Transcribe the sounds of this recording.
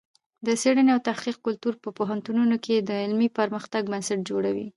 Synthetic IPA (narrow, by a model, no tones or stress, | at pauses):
d̪əseɽəneawt̪ahqiq̚kʊlt̪uɾpəpoɦant̪ununokʰed̪əɪlmipəɾməxt̪aɡ̚bansaʈ̚d͡ʒoɽawḭ